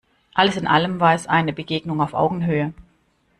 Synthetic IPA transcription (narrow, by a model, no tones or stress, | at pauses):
ʔaləsɪnʔaləmvaːɛsʔa̰ɪnəbəɡeːɡnʊŋaʊfʔa̰ʊɡŋ̩ɦøːə